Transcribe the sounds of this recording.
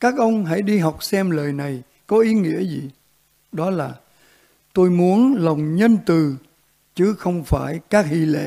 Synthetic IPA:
kaː˦˥k̚ʔə˧wŋ͡mɦa̰˧˩jɗi˧ɦa˨˩wk͡p̚sɛ˧mləː˨˩jna˨˩j | kɔ˨˦ʔi˨˦ŋḭ˧˥əzi˨˩ | ɗɔ˨˦laː˨˩ | t̪o˧jmu˨˦ənlə˨˩wŋ͡mɲə˧nt̪ɨ˨˩ | t͡ɕɨ˨˦xə˧wŋ͡mfaː˧˩jkaː˦˥k̚hi˧˩lḛ˧˥

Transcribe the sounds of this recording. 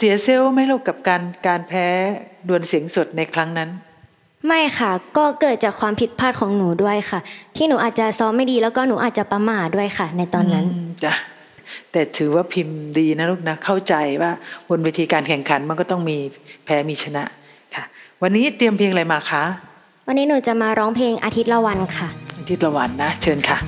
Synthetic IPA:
si˨˦ɐsi˧˥˩wma˥˩jluː˥˩kːa˨˩p̚kaː˧nkaː˧npʰɛː˦˥du˧ənsi˨˩˦əŋso˨˩t̪̚na˧jkʰɾa˦˥ŋna˦˥n | ma˥˩jxʰa˥˩kɔː˥˩kɤː˨˩t̪̚t͡ɕaː˨˩kʰwaː˧mpʰi˨˩t̪̚pʰaː˥˩t̪̚kʰɔː˩˦ŋnuː˩˦du˥˩əjkʰa˥˩t̪ʰiː˥˩nuː˩˦ʔaː˨˩t̪̚t͡ɕa˨sɔː˨˦˥ma˥˩jdiː˧lɛː˦˥wkɔː˥˩nuː˩˦ʔaː˨˩t̪̚t͡ɕa˨˩pa˧maː˧˩du˥˩əjkʰa˥˩na˧jt̪ɔː˧nːa˦˥nː˧a˧˩ | t̪ɛː˨˩t̪ʰɯː˩˦waː˥˩pʰi˧mdiː˧na˦˥luː˥˩k̚na˦˥kʰa˥˩wt͡ɕa˧jwaː˥˩bo˧nwiː˦˥t̪ʰiː˧kaː˧nkʰɛ˨˩ŋkʰa˨˩˦nma˧nkɔː˥˩t̪ɔ˥˩ŋmiː˧pʰɛː˦˥miː˧t͡ɕʰa˧na̰˦˥ʔ | kʰa˥˩wa˧nːiː˦˥t̪i˧əmpʰiː˧ŋla˧jmaː˧˩kʰa˦˥ | wa˧nːiː˦˥nuː˨˩˦t͡ɕa˨˩ʔmaː˧ɾɔː˦˥ŋpʰleː˧ŋʔa˧t̪ʰi˦˥t̪̚la˧wa˧nkʰa˥˩ʔa˧t̪ʰi˦t̪̚la˧wa˧nːa˦˥t͡ɕʰɤː˧nkʰa˥˩

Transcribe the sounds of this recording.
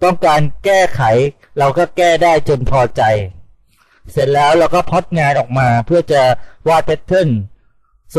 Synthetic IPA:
t̪ɔ˥˩ŋkaː˧nkɛː˥˩kʰa˩˦j | ɾa˧wkɔː˥˩kɛː˥˩daː˥˩jt͡ɕo˧npʰɔː˧t͡ɕa˧j | se˨˦t̪̚lɛː˦˥wɾa˦˥wkɔː˥˩pʰɔ˦˥t̪̚ŋaː˧nʔɔː˨˩k̚maː˧pʰɯ˥˩ɐt͡ɕa˨˩waː˥˩t̪̚ʰe˦˥t̪ʰːɤ˥˩n | s

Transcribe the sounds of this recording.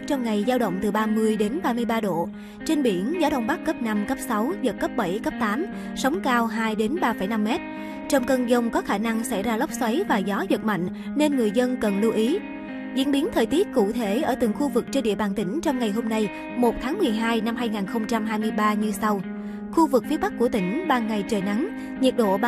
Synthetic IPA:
t͡ɕɔ˧wŋ͡mŋa˨˩jzaː˧wɗə̰˧˨wŋ͡mt̪ɨ˨˩ɓaː˧mɨ˧əjɗe˨˦nɓaː˧mɨ˧əjɓaː˧ɗo̰˧˨ | t͡ɕe˧nɓi˧˩ənzaː˨˦ɗə̰˧˨wŋ͡mɓa˦˥kːə˦˥p̚na˧mkə˦˥p̚sa˨˦wzə˨˩t̚kə˦˥p̚ɓə˧˩jkə˦˥p̚t̪aː˨˦m | sə˨˦wŋ͡mkaː˧wɦaː˧jɗe˨˦nɓaː˧fə˧˩jna˧mːɛ˦˥t̚ | t͡ɕɔ˧wŋ͡mkə˧nzə˧wŋ͡mkɔ˨˦xaː˧˩na˧ŋsa̰˧˩jzaː˧lə˦˥wp̚swə˨˦jvaː˨˩zɔ˨˦zə˨˩t̚ma̰˧˨jŋ̟ | ne˧nŋɨ˨˩əjzə˧nkə˨˩nlu˧ʔi˨˦ | zḭ˧˥ənɓi˨˦ənt̪ʰəː˨˩jt̪i˦˥ət̚kṵ˧˨t̪ʰe˧˩ʔəː˧˩t̪ɨ̰˧˩ŋxu˧vɨ˨˩k̚t͡ɕe˧ɗḭ˧˨əɓaː˧˩nt̪ï˧˩ŋ̟t͡ɕɔ˧wŋ͡mŋa˨˩jɦo˧mna˧j | mo˨˩t̚t̪ʰaː˨˦ŋmɨ˨˩əjɦaː˧jna˧mɦaː˧jŋaː˨˩nxə˧wŋ͡mt͡ɕa˧mɦaː˧jmɨ˧əjɓaː˧ɲɨ˧sa˧w | xu˧vɨ˨˩k̚fi˨˦əɓa˦˥k̚ku˧˩ət̪ï˧˩ŋ̟ɓaː˧nŋa˨˩jt͡ɕəː˨˩jna˨˦ŋ | ɲi˨˩ət̚ɗo̰˧˨

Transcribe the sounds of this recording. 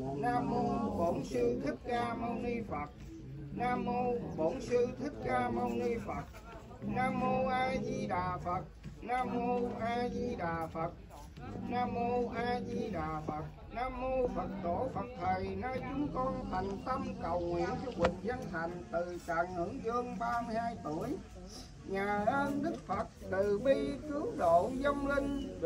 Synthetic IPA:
naː˧mːo˧ɓo̰˧˥nsɨ˧t̪ʰi˦˥k̚kaː˧mə˧wni˧fə˨˩t̚ | naː˧mːo˧ɓo˧˥nsɨ˧t̪ʰi˦˥k̚kaː˧mə˧wŋ͡mni˧fə˨˩t̚ | naː˧mːo˧ʔaː˧zi˧ɗaː˨˩fə˨˩t̚naː˧mːo˧ʔaː˧zi˧ɗaː˨˩fə˨˩t̚ | naː˧mːo˧ʔaː˧zi˧ɗaː˨˩fə˨˩t̚ | naː˧mːo˧fə˨˩t̚t̪o˧˩˦fə˨˩t̚t̪ʰə˨˩jnaː˧jt͡ɕʊ˨˦ŋ͡mkɔ˧nt̪ʰa˨˩jŋ̟t̪ə˧mkə˨˩wŋwḭ˧˨ənt͡ɕɔ˧kwï˨˩ŋ̟zə˧nt̪a˨˩jŋ̟t̪ɨ˨˩t͡ɕa̰ː˧˨ŋːɨ̰˧˥zɨ˧əŋɓaː˧mɨ˧jhaː˧jt̪u˧˩əj | ɲaː˨˩ʔəː˧nɗɨ˦˥k̚fə˨˩t̚t̪ɨ˨˩ɓi˧kɨ˨˦əwɗo̰˧˨zə˧ŋ͡mlï˧ŋ̟

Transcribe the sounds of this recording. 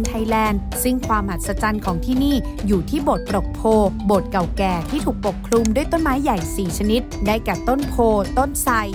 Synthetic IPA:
nt̪ʰa˧jlɛː˧n | sɯ˥˩ŋkʰwaː˧mʔa˨˩t̪̚sa˧t͡ɕa˧nkʰɔː˩˦ŋt̪ʰiː˥˩niː˥˩ | juː˨˩t̪ʰiː˥˩bo˨˩t̪̚pɾo˨˩k̚pʰoː˧boː˨˩t̪̚ka˨˩wkɛː˨˩t̪ʰiː˥˩uː˨˩k̚po˨˩kʰlu˧mdu˥˩əjt̪o˥˩nmaː˦˥jːa˨˩jsiː˨˩t͡ɕʰa˧ni˦˥t̪̚daː˥˩jkɛː˨˩t̪o˥˩npʰoː˧t̪o˥˩nsa˧j

